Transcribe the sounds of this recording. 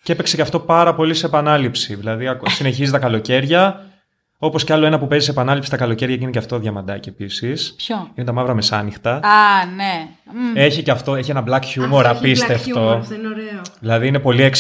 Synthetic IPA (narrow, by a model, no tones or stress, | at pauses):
cepe̞kse̞ceɐft̪o̞pɐɾɐpo̞liseeːpɐnɐlipsiðilɐðiɐksine̞çizit̪ɐkɐlo̞ce̞ɾʝɐ | o̞po̞sceɐlo̞e̞nɐpupe̞zisepɐnɐlipsi̥t̪ɐkɐlo̞ce̞ɾʝɐceineceɐft̪oðʝɐmɐd̪ɐciepisisinet̪ɐmɐvɾɐme̞sɐnixt̪ɐɐne | e̞çiceɐft̪o̞eçienɐblɐkçumoɾɐpist̪eft̪o̞ɾðilɐðiine̞po̞liek